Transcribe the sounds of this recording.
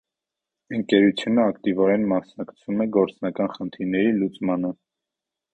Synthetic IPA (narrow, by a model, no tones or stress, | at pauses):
əŋkɛɾut͡sʰjunəɑkt̪ivɔɾɛnmɑsnɑkt͡sʰumɛɡɔɾt͡snɑkɑnχənt̪ʰiɾnɛɾilut͡smɑnə